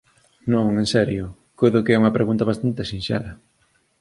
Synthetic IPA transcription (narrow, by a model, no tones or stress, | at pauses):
nõŋensɛɾjʊ | kojðʊkeɛuŋɐpɾeɣunt̪ɐβast̪ant̪esĩnsɛ̰ɾɐ